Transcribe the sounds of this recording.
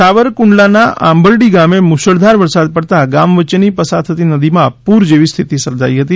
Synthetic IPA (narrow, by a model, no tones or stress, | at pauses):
aʋəɾkʊɳɖlanaʔã̰mbəɭɖiɡamemuʃəɭd̪ʱaɾʋəɾsad̪̚pəɽt̪aɡamʋət͡ʃenipəsad̪ʰət̪inəd̪imãpuɾd͡ʒeʋist̪ʰit̪isəɾd͡ʒa̰iɦət̪i